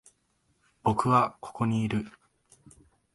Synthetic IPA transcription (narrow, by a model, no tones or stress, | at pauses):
b̥o̞kɯ̟βakʰo̞̥ko̞ɲ̟iːɾɯ̟